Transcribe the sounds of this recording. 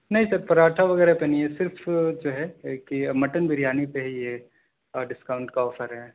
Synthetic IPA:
nɐɦĩsɐɾpɐɾaːʈʰaʋɐɡɛːɾaɦepenɐɦĩɛsɪɾfd͡ʒoːɦɛkimɐʈənbʱɪɾjaːnipeɦje | ɖɪskaːʊ̃ɳʈkaɔːfʰəɾɦɛː

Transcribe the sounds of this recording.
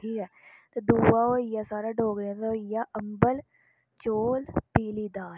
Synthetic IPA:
ʈʰiːkɦɛːt̪od̪uːwaojasaːɾaɖʱoːɡɾɛ̃oɪjaʔəmbəl | t͡ʃoːlpiːlid̪aː

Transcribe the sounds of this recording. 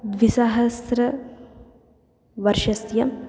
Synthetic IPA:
d̪ʋisɐɦɐsɾɐ | ʋɐɾʃɐsjɐ

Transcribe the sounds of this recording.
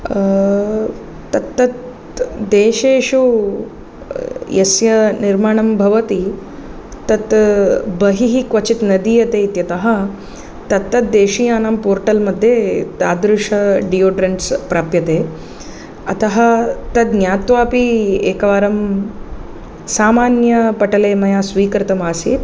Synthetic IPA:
t̪ɐt̪ːɐt̪ | d̪eːʃeːʃu | jɐsjɐniɾmaːɳ̃ɐmbʱɐʋɐt̪i | t̪ɐt̪bɐɦiɦikʋɐt͡ʃit̪nɐd̪iːjɐt̪eːit̪jɐt̪ɐɦɐ | t̪ɐt̪ːɐt̪̚d̪eːʃijaːnaːmpoːɾʈɐlmɐd̪ʱːjeːt̪aːd̪ɾuʂɐɖioːɖɾeɳʈspɾaːpjɐt̪eː | ɐt̪ɐɦɐ̆t̪ɐt̪njaːt̪ʋaːpieːkɐʋaːɾɐm | saːmaːnjɐpɐʈɐleːmɐjaːsʋiːkɾɪt̪ɐmaːsiːt̪

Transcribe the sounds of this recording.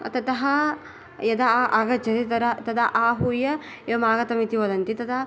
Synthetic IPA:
t̪ɐt̪ɐɦɐ | jɐd̪ɐʔaɡɐd͡ʒɐt̪it̪ɐɾɐt̪ɐd̪ɐʔaːɦujɐ | jɐmaːɡɐt̪ɐmit̪iʋɐd̪ɐnt̪it̪ɐd̪ɐ

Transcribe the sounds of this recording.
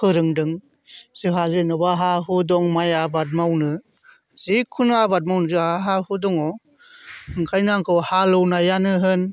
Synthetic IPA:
kʰɯɾɯŋdɯŋ | z̥ɯɦazɯnɯbaɦaɦɯdɔŋmajabat̚mawnɯ | zikʰunabat̚mawnɯzɯaɦahɯdɔŋɔ | hɯŋkʰajnaŋkʰɯwhalɯwnajanɯɦɯn

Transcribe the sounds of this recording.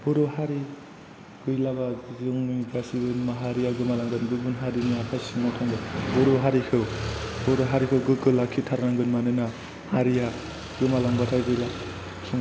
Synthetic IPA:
b̥ɔɾɯhaɾi | ɡ̥ɯjlabazŋnibasiɡɯnmaɦaɾijaɡɯmalaŋɡɯnɡɯbɯnɦaɾiniakʰasiŋatʰaŋɡɯbɔɾuɦaɾikʰɯwbɔɾɔɦaɾikʰɯwɡɯɡɯlakʰːitʰaɾɾaŋɡɯnmanɯna | haɾija | ɡɯmalaŋbatʰajɡɯjla | sʰuŋ

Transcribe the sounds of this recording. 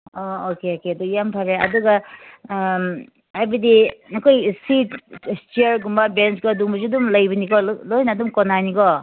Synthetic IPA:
ookeokeɐdujampʰaɾeɐ̰duɡɐ | hajbɐdinɐkʰojsitstieɾɡumbɐbenskɔduŋbɐzudumlɐjbɐnikɔlojnadumkonanikɔ

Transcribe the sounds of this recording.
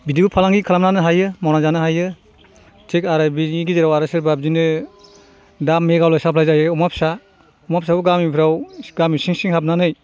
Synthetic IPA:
bidibupʰalaŋɡikʰalamnanɯɦajɯmawnazanɯɦajɯ | tʰekaɾɯbiiɡiziɾawaɾɯsɯɾbab̚zinɯ | damːeɡawlajsapʰlajzajɯumap̚sa | umapsabuɡamipʰɾawɡamisiŋsiŋɦap̚nanɯj

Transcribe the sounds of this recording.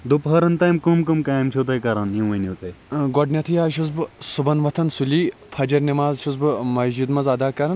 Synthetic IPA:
d̪upɦɐɾɐnt̪ɐːjmkumkumkaːjmt͡ʃʰut̪̬ɐjkɐɾɐnjũʋɐnut̪ɐjɡɔɖnʲɐt̪ʰijaːʃ̬uzbsubɐnʋɐt̪ʰɐnsuliːpʰɐd͡ʒɐɾnʲɐmaːzʃuzbmɐzd͡ʒid̪mɐzɐd̪aːkɐɾɐn

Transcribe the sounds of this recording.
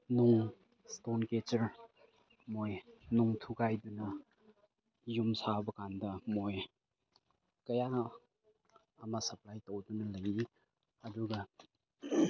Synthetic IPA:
nuŋ | stonket͡ʃɐɾ | mojnuŋtʰuɡajdunɐ | jumsabɐkandɐmoj | kɐja | mɐsɐplajtowdunɐlɐji | ɐduɡɐ

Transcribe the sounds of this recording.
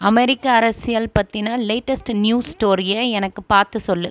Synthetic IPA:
ɐmɛɾɪkːaɐɾɐsɪjɐlpɐt̪ːɪnaːleɪʈːɐsʈnjuːsʈoːɾɪjɐɛnɐkːɯpaːɾt̪ɯsɔlːɯ

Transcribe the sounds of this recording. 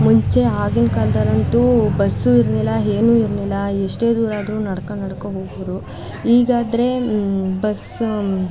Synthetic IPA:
muɲt͡ʃe̞aːɡinkɐld̪ɐɾɐnt̪ubɐsːuiɾnilːɐɦeːnuːiɾnilːɐeʂʈe̞ːd̪uːɾaːd̪ɐɾunɐɽɐkɐnɐɽkɐɦoːɡɐʋɐɾu | ɦiːɡaːd̪ɐɾe̞bɐs

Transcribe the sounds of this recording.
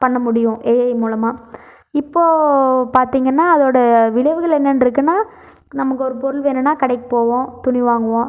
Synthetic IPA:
pɐɳːɐmʊɽɪjʊ̃ʔeːɐjmuːlɐmaː | ɪpːoːpaːɾt̪iːŋɡɐnːaːɐðoːɽɐʋɪɭɐʋɯɣɐɭɛnːɐnɖɪɾɯk̬ːɯnːaː | nɐmɐkːɯɔɾɯpɔɾɯlʋeːnɐnːaːkɐɽɐɪkːɯpoːʋõːt̪ʊɳɪʋaːŋɡɐʋõ

